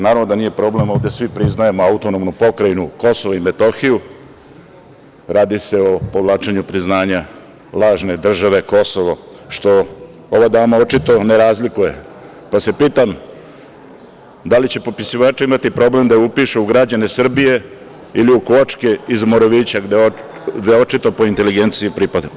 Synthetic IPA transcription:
naːɾaʋnod̪anije̞pɾo̞ble̞mo̞ʋd̪e̞sʋipɾiznaje̞moaut̪o̞nomnupo̞kɾajinuko̞soʋoime̞t̪o̞xiju | ɾaːd̪ise̞o̞po̞ʋlˠaːt͡ʃeɲupɾiznaːɲa | lˠaːʒne̞d̪r̩ʒaʋe̞ko̞so̞ʋoʃt̪o̞ | oʋad̪amao̞t͡ʃit̪o̞neɾaːzlikuje̞̰ | pase̞piːt̪am | d̪alit͡ɕe̞popisiʋaːt͡ʃeimat̪ipɾo̞ble̞md̪aupiʃeuɡɾad͡ʑane̞sr̩bije̞ | iliukot͡ʂke̞izmoɾoʋiːt͡ɕaɡd̪d̪eo̞t͡ʃit̪o̞po̞int̪e̞liɡent̪siipɾipad̪a

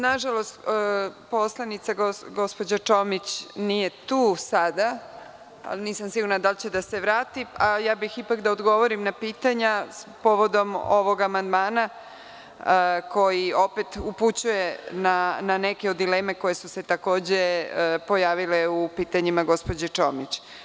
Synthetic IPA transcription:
naʒalo̞st̪ːpo̞slˠanit̪saɡoɡo̞spod͡ʑat͡ʂo̞mit͡ɕnije̞t̪uːsad̪a | a̰lniːsamsiɡuɾnad̪alt͡ɕe̞d̪ase̞ʋɾaːt̪iajaːbixipakd̪aod̪ɡo̞ʋo̞ɾimnapiːt̪aɲapo̞ʋo̞d̪o̞moʋo̞ɡamand̪maːna | ko̞jio̞pet̪uput͡ɕuje̞nananekeod̪ːile̞ːme̞ko̞je̞suse̞t̪ako̞ːd͡ʑe̞po̞jaːʋile̞upiːt̪aɲimaɡo̞spo̞d͡ʑet͡ʂo̞mit͡ɕ

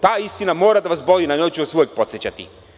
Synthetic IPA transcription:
t̪aːist̪inamoːɾad̪aʋasbolinaɲojt͡ɕuosʋujek̚po̞t̪sjet͡ɕat̪ḭ

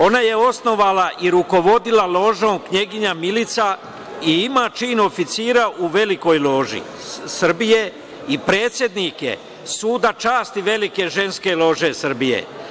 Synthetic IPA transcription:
o̞naje̞o̞sno̞ʋalaʔiɾuko̞ʋo̞d̪ilalo̞ʒoːmkɲe̞ɡiɲamilit̪sa | iimaːt͡ʃiːno̞fit̪siːɾaʔuʋe̞liko̞jlo̞ʒḭ | sr̩bije̞ | ipɾe̞ːt̪sʲje̞d̪nikjḛ | suːd̪at͡ʃaːst̪iʋe̞like̞ʒe̞nske̞lo̞ʒe̞sr̩bijḛ

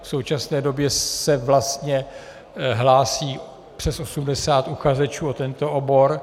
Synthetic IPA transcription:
fsowt͡ʃasnɛːdo̞bjɛsɛvlast̪ɲɛ | ɦlaːsiː | pr̥ɛso̞sumdɛsaːt̪uxazɛt͡ʃuːot̪ɛnt̪o̞ʔobo̞ɾ

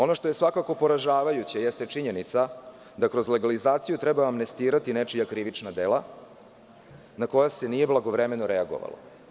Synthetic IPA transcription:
o̞no̞ʂt̪o̞je̞sʋakako̞po̞ɾaʒaːʋajut͡ɕejest̪e̞t͡ʂiɲe̞nit̪sa | d̪akɾo̞zle̞ɡalizaːt̪sijut̪ɾɛbaːmne̞st̪iːɾat̪inet͡ʂijakɾiʋit͡ʂnad̪ela | nako̞jase̞nije̞blˠaɡoʋɾeme̞noɾeaɡo̞̰ʋa̰lo̰

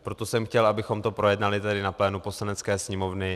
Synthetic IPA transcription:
pɾot̪o̞sɛmxcɛlʔabɪxo̞mt̪o̞pɾo̞jɛdnalɪt̪ɛdɪnaplɛːnupo̞slanɛt̪t͡skɛːsɲɛmo̞vnɪ

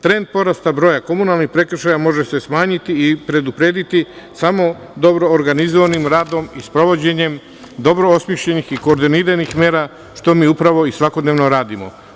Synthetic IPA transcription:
t̪ɾe̞nd̪̚po̞ɾast̪abɾojako̞munalnixpɾe̞kr̩ʃajamo̞ʒese̞smaːɲit̪iːpɾe̞d̪upɾe̞ːd̪it̪i | samo̞ | d̪o̞bɾo̞ːɾɡanizoʋanimɾaːd̪o̞mispɾo̞ʋo̞d͡ʑe̞ɲe̞m | d̪o̞bɾo̞osmjiʃʎe̞nixiko̞ːɾd̪iniɾanixme̞ːɾa | ʃt̪o̞miːupɾaʋo̞isʋako̞d̪neʋno̞ɾaːd̪imo̞̰

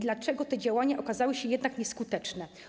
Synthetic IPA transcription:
d̪lat͡ʂɛɡɔt̪ɛd͡ʑawaɲaʔɔkazawɘɕɛjɛd̪nakɲɛskut̪ɛt͡ʂnɛ

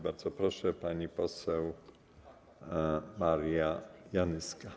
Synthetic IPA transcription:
baɾd̪zɔpɾɔʂɛpaɲipɔsɛw | maɾjajanɘska

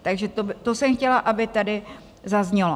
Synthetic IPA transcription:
t̪aɡʒɛt̪obt̪osɛmxcɛlaʔabɪt̪adɪ | zazɲɛlo

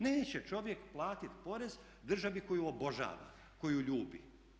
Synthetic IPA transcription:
neːt͡ɕe̞t͡ʃo̞ʋje̞kplˠaːt̪it̪po̞ɾe̞z | d̪r̩ʒaʋiko̞juobo̞ʒa̰ːʋa̰ | ko̞juʎuːbḭ

